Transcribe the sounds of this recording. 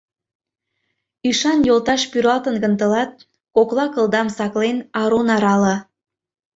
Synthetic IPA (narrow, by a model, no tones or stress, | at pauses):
iʃɑnjolt̪ɑʃpyɾɑlt̪ənɡənt̪ə̆lɑt̪̚ | koklɑkə̆lˠd̪ɑmsɑklenɑɾonɑɾɑlə̆